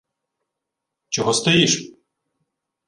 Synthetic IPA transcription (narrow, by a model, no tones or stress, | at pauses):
t͡ʃɔɦɔst̪ɔjiʃ